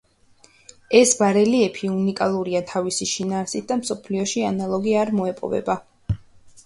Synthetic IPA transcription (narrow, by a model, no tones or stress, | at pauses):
ɛsbaɾɛliɛpʰiunikʼalˠuɾiat̪ʰavisiʃinaːɾsit̪̚ʰd̪amsɔpʰliɔʃianalˠɔɡiaɾmɔɛpʼɔ̰vɛ̰ba